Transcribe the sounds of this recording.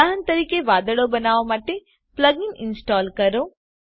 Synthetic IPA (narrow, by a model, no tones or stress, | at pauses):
aɦənt̪ɐɾiːkeʋaːd̪əɽobɐnaːʋamaːʈ̪e | plɐɡɪnɪnsʈaːlkɐɾoː